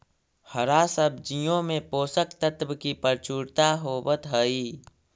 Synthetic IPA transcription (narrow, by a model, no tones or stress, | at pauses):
həɾaːsəb̚d͡ʒijõmẽpoːsəkt̪ət̪bkipəɾt͡ʃuːɽt̪aɦobət̪ɦəiː